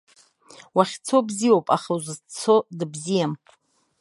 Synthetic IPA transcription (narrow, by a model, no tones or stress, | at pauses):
waχʲt͡sʰo̞bziwowpʼaχazɨt͡sʰo̞dɨbzijam